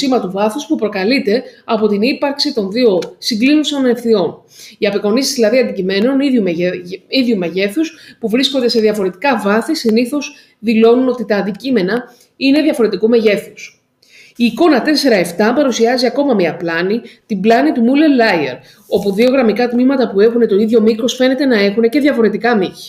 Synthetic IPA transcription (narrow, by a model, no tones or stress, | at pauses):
simɐt̪uvɐθuspupɾo̞kɐlit̪e̞ɐpo̞t̪inipɐɾksit̪o̞nðio̞siŋɡliniso̞nefθio̞n | iɐpiko̞nisizðilɐðiɐnd̪icime̞no̞niumiðʝumeʝe̞θuspuvɾisko̞nd̪e̞se̞ðiɐfo̞ɾe̞t̪i̥kɐvɐθisiniθo̞s | ðilo̞nuno̞t̪it̪ɐːnd̪icime̞nɐ | ine̞ðʝɐfo̞ɾe̞t̪ikume̞ʝe̞θus | iːko̞nɐt̪e̞se̞ɾɐe̞ft̪ɐpɐɾusiɐziɐko̞mɐmiɐplɐnit̪iblɐnit̪umule̞lɐjḛɾ | o̞puðio̞ɣɾɐmikɐt̪mimɐt̪ɐpue̞xune̞t̪o̞iðʝo̞mikɾo̞sfe̞ne̞t̪e̞nɐe̞xune̞ce̞ðʝɐfo̞ɾe̞t̪ikɐmiçi̥